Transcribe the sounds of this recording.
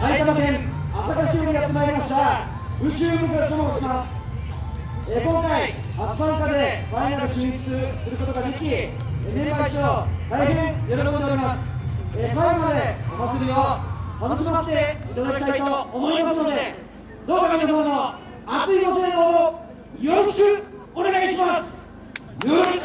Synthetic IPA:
sajk̪anad̪ẽŋatakaɕioɲʲijat̪ːemaeɾimaɕt̪a | bɯɕɯːmɯzaɕomoɕimas | ekõŋkai | apːãŋkad̪e̞bainaɾɯɕiit͡sɨ̥t͡sɨsɨɾɯ̟ko̞t̪oɡad̪e̞kʲi | enemkaiɕod̪aiɦẽŋjoɾokood̪eoɾʲimasekaɾemad̪e̞hat͡sɨɾʲiot̪anoɕimat̪ːe̞it̪ad̪akʲi̥t̪ait̪o̞ːmo̞imasɨno̞d̪e̞ | d̪o̞ːkananod̪oːno̞ | at͡sɨiɡ̪oseːɦo | jo̞ɾo̞ɕi̥kɯ̟ | one̞ɡaiɕimasɨ̥ | o

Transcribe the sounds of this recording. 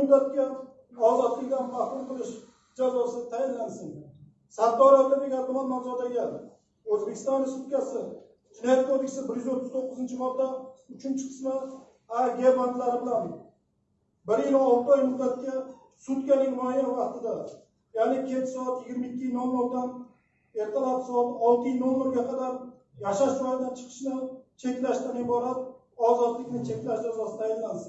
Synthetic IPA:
ʊd̪ːat̪̚kʲa | ɒzɒd̪lɪkʲd̪anbahɾʊlqʰɨlˠɪʃ | d͡ʒazɒsɪt̪ʰajanlansɪn | sad̪ːɒɾajlaɾɪkʲaɾbʊmanmanzɒt̪aɡʲan | ɵzbekʲʰɪst̪ɒnːɪsʊt̪̚kʲasɪ | d͡ʒɪnɒjat̪̚kʰod̪ekʲsɪbɪɾjyzot̪ʰːʊzt̪ʰoqːʊzɪnt͡ʃʰɪmɒɾd̪ːaʊt͡ʃʰɪnt͡ʃʰɪ̥qʰɨ̥sma | aɡʲeband̪laɾɪbɪlan | bɪɾjɪlɒlˠt̪ɒjmʊd̪ːat̪̚kʲa | sʊt̪kʲanɪŋmajɒɾvɑqt̪ɪd̪a | janɪkʲʰet͡ʃ̪ʰɪ̥sɒat̪jɪɡʲɪɾmaɪkʲːɪjnɒmːɒɾd̪an | e̞ɾt̪ʰɪlapsɒat̪ɒlˠt̪ʰijnomːeɾɡʲaqʰɑd̪aɾ | jaʃaʃɾɒjad̪ant͡ʃʰɨ̥qʰɨ̥ʃnɪt͡ʃʰe̞kʲlaʃt̪anɪbɒɾat̪̚ | ɒzɒt̪lɪkʲnɪt͡ʃʰe̞kʲlaʃd͡ʒazɒsɪ̥t̪ʰajɪnːans

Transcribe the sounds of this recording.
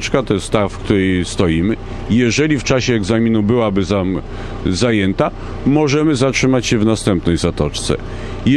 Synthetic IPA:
t͡ʂkat̪ɔjɛst̪t̪ːafkt̪uɾɛjst̪ɔjimɘ | jɛʐɛlʲift͡ʂaɕɛːɡzamʲinubɘwabɘza | zajɛnt̪a | mɔʐɛmɘzatʂɘmat͡ɕɕɛvnast̪ɛmpnɛjzat̪ɔt͡ʂt̪sɛ̰ | j

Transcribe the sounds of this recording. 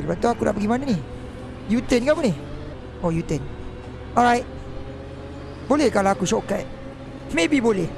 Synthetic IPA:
lbat̪uakudaʔpəɡimanəni | jut̪ɛnkakəni | ojut̪ən | ɔɹajt̚ | bolɛhkalaakusɔka | mebibolɛh

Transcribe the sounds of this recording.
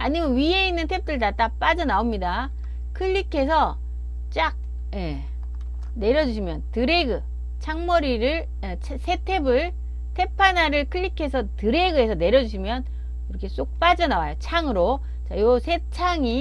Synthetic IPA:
aɲimjʌnɥie̞inːɯntʰe̞p̚t͈ɯɭdat͈ap͈ad͡ʑʌnaomɲida | kʰɯʎːikʰe̞sʰʌ | t͡ɕ͈ak̚ | je̞ | ne̞ɾjʌd͡ʑuɕʰimjʌntɯɾe̞ɡɯ | t͡ɕʰaŋmʌɾiɾɯɭ | t͡ɕʰsʰe̞tʰe̞bɯɭ | tʰe̞pʰanaɾɯɭkʰɯʎːikʰe̞sʰʌtɯɾe̞ɡɯɦe̞sʰʌne̞ɾjʌd͡ʑuɕʰimjʌn | iɾʌkʰe̞s͈ok̚p͈ad͡ʑʌnawajot͡ɕʰaŋɯɾo | t͡ɕajosʰe̞t͡ɕʰaŋi

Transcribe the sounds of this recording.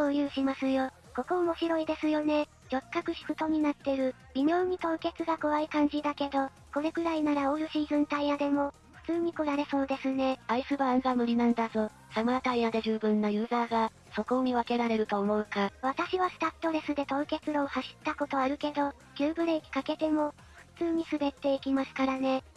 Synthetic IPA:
koːjɯ̟ːɕimasɨjo̞ | ko̞ko̞omo̞ɕiɾo̞id̪e̞sɨjo̞ne̞ | d͡ʑo̞kːakɯ̟ɕi̥kɯt̪o̞ɲ̟inat̪ːe̞ɾɯ̟ | bʲimʲjo̞ːɲ̟it̪o̞ːke̞t͡sɨɡako̞aikãɲ̟d͡ʑid̪ake̞d̪o̞ | ko̞ɾe̞kɯ̟ɾainaɾaoɾɯ̟ɕiːzɨ̃nt̪aiad̪e̞mo̞ | ɸɯ̟̥t͡sɨːɲ̟iko̞ɾaɾe̞so̞ːd̪e̞sɨne̞aisɨbaŋɡamɯ̟ɾʲinãnd̪azo̞ | samɯat̪aiad̪e̞ʑɨːbɯ̟̃nːajɯ̟ːzaːɡa | so̞ko̞mʲiβake̞ɾaɾe̞ɾɯ̟t̪o̞ːmo̞ɯ̟kaβ̞at̪aɕiβasɨ̥t̪ḁt̪ːo̞ɾe̞sɨd̪e̞t̪o̞ːke̞t͡sɨɾo̞ːhaɕi̥t̪ːako̞t̪o̞aɾɯ̟ke̞d̪o̞ | kʲɨːbɯ̟ɾe̞ikʲi̥kake̞t̪e̞mo̞ | ɸɯ̟̥t͡sɨːɲ̟isɨbe̞t̪ːe̞ikʲimasɨ̥kaɾane̞

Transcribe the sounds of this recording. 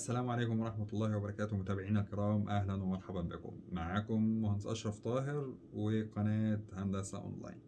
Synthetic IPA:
ʔæsːælæːmʕaleːkʊmwɑɾˤɑħmæt̪ˤlˤːɑːhwæbɑɾˤɑkæːt̪omʊt̪æːbeʕiːnælkeɾˤɑːmʔæhlænwæmɑɾˤħabæmbekʊ̰mːaʕaːkʊmːʊhænsʔɑ̰ʃɑɾˤft̪ˤɑːɦɪɾ | weqɑnæːt̪hand̪æsæ̰ʔo̰nla̰ːjn

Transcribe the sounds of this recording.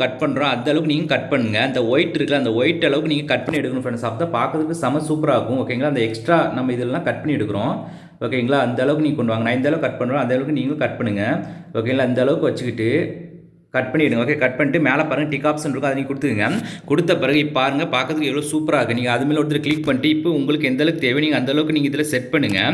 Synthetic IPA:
kɐʈ̚pɐɳɾõːɐnd̪ɐɛlɐʋɯkːɯniːŋɡɐkɐʈ̚pɐɳːɯŋɡɐɐnd̪ɐɔjɪʈːɪɾɯkːɯlaɐnd̪ɐɔjɪʈːɛɭɐʋɯkːɯniːŋɡɐkɐʈ̚pɐɳːiɛɽɯkːɐɾʊ̃fɐnːɐsaːp̚t̪aːpaːɾkɾɐðɯkːɯsɐmɐsuːpɐɾaːkʊ̃oːkːeːɪŋɡɭaːɪnd̪ɐɛksʈɾaːnɐmːɐɪðɯllãːkɐʈ̚pɐɳːiɪɛɽɯkːɯɾõː | oːkeːɛŋɡɐɭaɐnd̪ɐɛɭɐʋɯk̬ːɯniːŋɡɐkɔɳɖɯʋaːŋɐnɐ̃ːɪnd̪ɐɛɭɐʋɯkkɐʈ̚pɐɳːɾõːɐnd̪ɐɛɭɐʋɯkːɯniːŋɡɐ̃kɐʈ̚pɐɳːɯŋɡɐoːk̬ːeːŋɡlaɪnd̪ɐɛɭɐʋɯkːɯʋɐt͡ʃːɯkːɪʈːɯ | kɐʈ̚pɐɳːiɛɽɯŋɡɐoːkekɐʈ̚pɐɳːɪʈːɯmeːlɐpaːɾɯŋɡɐʈɪkːaːpsɛnɾɯkːɐ̃ɐðɐniːŋɡɐkʊɽɯt̪ːɯkːiːŋɡɐkʊɽɯt̪ːɐpɪɾɐɣɯɪpːaːɾɯŋɡɐpaːɾkɾɐðɯkːɯɛʋɪɭoːsuːpɐɾaːkːɯ̃niːŋɡɐɐðɯmeːlɐʊɾɯt̪ɐlɐklɪk̚pɐɳːɪʈːɯɪpːoʊŋɡɐɭɯkːɛnd̪ɐɛɭɐʋɯkɯt̪eːʋiniːŋɡɐnd̪ɐɛɭɐʋɯkːɯniːŋɡɐɪðɪlɐsɛʈpɐɳːɯŋɡɐ

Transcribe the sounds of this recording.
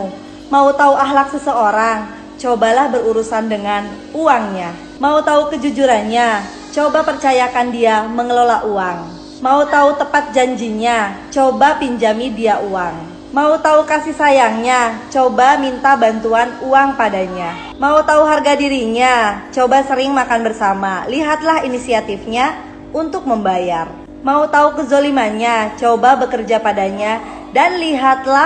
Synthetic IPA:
maut̪auaɦlak̚səsəoɾaŋ | t͡ʃobalahbəruɾusandəŋan | uaŋɲa | maut̪aukəd͡ʒud͡ʒuɾanɲa | t͡ʃobapərt͡ʃajakandiaməŋəlolaʔuaŋ | maut̪aut̪əpat̪̚d͡ʒaɲd͡ʒiɲat͡ʃobapiɲd͡ʒamidiaʔuaŋ | maut̪aukasihsajaŋɲat͡ʃobamint̪abant̪uanuaŋpadaɲa | maut̪auɦarɡadiɾiɲat͡ʃobasəɾɪŋmakanbərsamaliɦat̪laɦinisiat̪ifɲa | unt̪ʊk̚məmbajar | maut̪aukəzolimaɲat͡ʃobabəkərd͡ʒapadaɲa | danliɦat̪la

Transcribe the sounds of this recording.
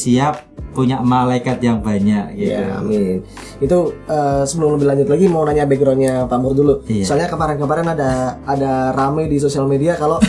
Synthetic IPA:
siap̚ː | uɲamalaikat̪jaŋbaɲakia̰mɪn | it̪uəːsəbəlʊmləbɪhlaɲd͡ʒʊt̪laɡimaunaɲabeɡɾoɲapamʊrdulumisalɲakəmaɾankəmaɾanadaːdaramajdis̬osialmediakalo

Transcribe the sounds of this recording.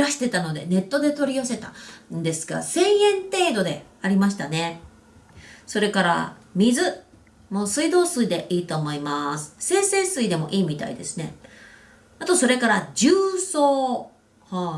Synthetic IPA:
ɾaɕi̥t̪e̞t̪ano̞d̪e̞̰ne̞t̪ːo̞d̪e̞t̪o̞ɾʲiase̞t̪and̪e̞sɨ̥ɡa̰sẽ̞ɰ̃ẽ̞nt̪e̞ːd̪o̞d̪e̞ | aɾʲimaɕi̥t̪ane̞ | so̞ɾe̞kaɾa̰ | mʲizɨ | mo̞ːsɨid̪o̞ːsɨid̪e̞ʔiːt̪o̞ːmo̞imasɨ̥sẽ̞ːse̞ːsɨid̪e̞mo̞̰ʔiːmʲit̪a̰ḭd̪e̞sɨne̞ | at̪o̞so̞ɾe̞kaɾad͡ʑɨːsoː | ha

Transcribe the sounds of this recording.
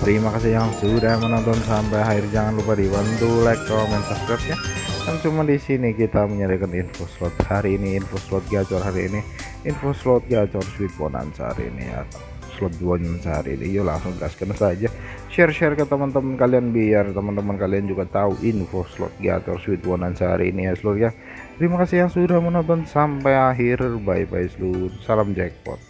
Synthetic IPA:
t̪əɾimakasijaŋsuɾamənɔnt̪̬ɔnsampajɦaɪrd͡ʒaŋanlupadiwant̪ulɛk̪̚ɔmɛnt̪askɾɛt̪̚ɲakant͡ʃumadisinikit̪aməɲaɾikaninfoslɔt̪̚haɾiːniːnfoslɔt̪̚ɡat͡ʃɔrhaɾiːni | infoslɔt̪̚ɡat͡ʃɔrswit̪̚wɔ̰na̰nsa̰ɾḭnḭja̰ | slɔt̪̚d͡ʒuwaɲmənsaɦa̰ɾḭːnḭd͡ʒula̰ŋsʊŋɡaskənsad͡ʒa | ʃɛrʃɛrkət̪əmant̪əmənkalianbiart̪əmant̪əmankaliand͡ʒuɡat̪auʔinfoslɔ̰t̪̚ɡa̰t͡ʃɔrswɪt̪̚wɔnansəɦa̰ɾiːnijasəlurja | t̪əɾimakasɪhjaŋsudahmənat̪ʊnsampajaɦɪrbaipaisəlursalamd͡ʒɛk̚pɔ̰t̪̚

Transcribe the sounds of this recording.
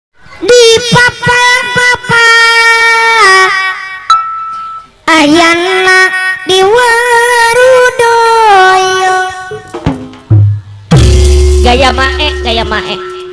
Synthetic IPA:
dipapapapa | ajanladiwəɾudɔjɔ | ɡajamaʔɛʔɡajamaʔɛʔ

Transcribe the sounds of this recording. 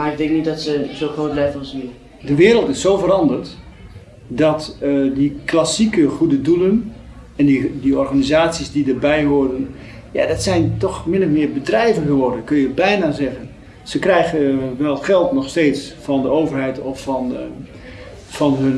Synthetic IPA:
maɪkdɪŋk̚nitdɔtsəzoːxroːt̚blɛjvnsi | dəʋɪːɾəlˠtɪsːowvərɑndərt | dɑtdiklasikəχudədulən | ɛndidiɔrχanizaːtsizdidərbɛjɦʊɹdən | ja̰dɑtsɛjntɔχmɪnɔfmɪːɹbədrɛjvənχəʋɔɹdənkɵnjəbɛjnazɛɣən | z̥əkrɛjɣəʋɛlˠχɛlˠtnɔχsteːtsfɑndəowvərɦɛjtɔfn | fɑnɦən

